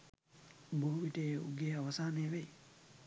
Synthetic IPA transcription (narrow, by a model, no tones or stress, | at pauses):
buɦuʋiʈeːṵɡeːaʋɐsaːneːʋej